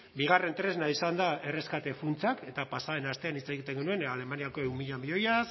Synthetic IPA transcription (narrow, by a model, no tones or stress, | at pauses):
biɣ̞are̞nt̪ɾe̞znaisand̪ae̞re̞skat̪e̞funt͡sake̞t̪apasae̞nast̪e̞anit͡sajɣit̪eŋɡenue̞nale̞maniako̞ewmiʎamio̞jas